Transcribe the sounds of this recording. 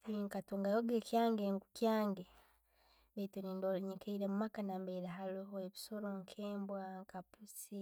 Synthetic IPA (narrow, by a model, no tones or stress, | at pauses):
tiːŋkatoŋɡajoɡeːkjaːŋɡeŋɡukjaːŋɡe | βetoɾiːndoɾoɲekʰeiɾemumakanambeːɾaɦaluɦoeβisoɾoŋkʰeːmbwaŋkapusi